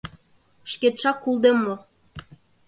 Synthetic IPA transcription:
ʃket̪ʃɑkːulˠd̪emːo

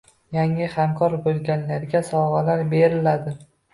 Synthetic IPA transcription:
jaŋɪhamkʰɒɾbolˠɡʲanlaɾɡʲasɒʁalaɾbe̞ɾɪlad̪ɪ

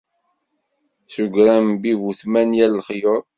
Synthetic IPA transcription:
suɡɾæmbivuθmænjælːχjoɾˤ

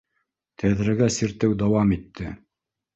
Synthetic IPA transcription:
t̪ʰæðɾɘɡæsiɾt̪ɘwd̪ɑwɑmit̪ːɘ

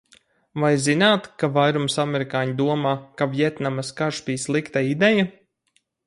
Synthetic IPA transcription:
vajzinaːt̪kavajɾumsamɛɾikaːɲid̪uɔmaːkavjɛt̪namaskaʃbʲiːslˠikt̪aid̪ɛja

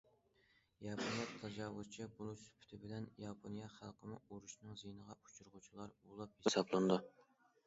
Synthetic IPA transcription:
jɑpʰonijɑt̪ʰːɑd͡ʒɑwʊz̥t͡ʃʰibolˠusy̥pʰy̥t̪ʰɪbɪlɛnjɑpʰonijɑχælˠqʰəmʊuɾuʃnɨŋzejnəʁɑu̥t͡ʃʰuɾʁʊt͡ʃʰilˠɑɾbolˠɑp̚hesɑblˠɨnd̪u

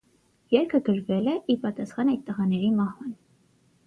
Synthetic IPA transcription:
jɛɾkʰəɡəɾvɛlɛʔipɑt̪ɑsχɑnɑjt̪ːəʁɑnɛɾimɑhvɑn

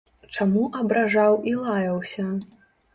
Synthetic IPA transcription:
t͡ʂamuʔɐbɾaʐawilˠajɐwsʲɐ

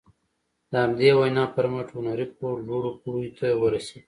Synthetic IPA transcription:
d̪əhamd̪ewajnɑpəɾmaʈhʊnaɾipoɾloɽopuɾujt̪ʰawəɾased̪

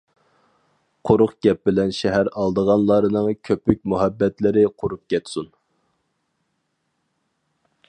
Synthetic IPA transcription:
qʰoɾʊqɡʲɛp̚bɪlɛnʃɛɦæɾɑlˠd̪əʁɑnlˠɑɾɨnɨŋkʲʰøpyk̚ʲmuɦɛbːɛt̪lɪɾɪqʰoɾup̚kʲɛt̪sun

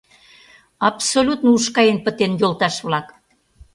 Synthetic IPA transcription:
ɑpsolʲut̪nouʃkɑjenpə̆t̪enjolt̪ɑʃβlɑk

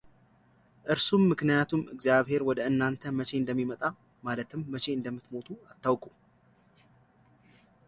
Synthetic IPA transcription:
ʔɨɾsumːɨknijat̪ʰumɨɡzjaβhe̞ɾwɔd̪əɨnːant̪ʰəmət͡ʃe̞ɨnd̪əmːimət̪ʼa | malət̪ʰɨmːət͡ʃʰe̞ɨnd̪əmːɨt̪mo̞t̪ʰuat̪ːawkʼu

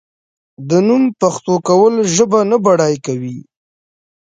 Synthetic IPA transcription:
d̪ənumpaxt̪okawəlʒəbanabaɽɑjkawi

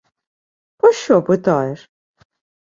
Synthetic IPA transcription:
pɔɕɔpɨt̪ɑjɛʂ

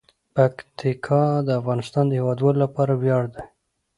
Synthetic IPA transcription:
pakt̪ikʰɑd̪əafɣɑnɪst̪ɑnd̪əhewɑd̪wɑlolapɑɾawjɑɽd̪a

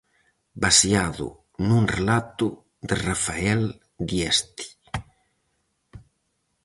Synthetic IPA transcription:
basjaðʊ̰ | nuŋrelat̪ʊ | d̪erafaɛl | d̪jɛst̪i̥

